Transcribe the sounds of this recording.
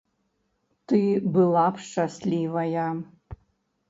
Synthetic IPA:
tɨbɨlˠapʂʈ͡ʂaslʲivaja

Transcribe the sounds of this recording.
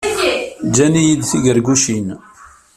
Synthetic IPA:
d͡ʒænijid̪θiʝəɾɡuʃin

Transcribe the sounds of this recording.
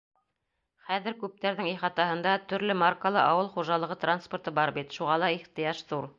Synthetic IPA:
χæðɘ̆ɾkʉp̚t̪æɾðɘŋiχɑt̪ɑhɤ̆nd̪ɑt̪ɵ̆ɾlɘmarkəlˠɤʔɑwɤlˠχuʒɑlˠɤ̆ʁɤt̪ransport̪ɤbɑɾbit̪ʃuʁɑlˠɑiχt̪ɤ̆jɑʃðuɾ

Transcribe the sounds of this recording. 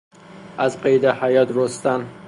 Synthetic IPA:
ʔæzqejd̪ehæjɒt̪ɾost̪æn

